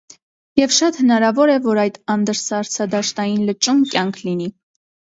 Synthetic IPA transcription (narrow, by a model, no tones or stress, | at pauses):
jɛvʃɑt̪hənɑɾɑvɔɾɛvɔɾɑjt̪ɑnd̪əɾsɑɾt͡sʰɑd̪ɑʃt̪ɑjinlət͡ʃumkjɑŋkʰlini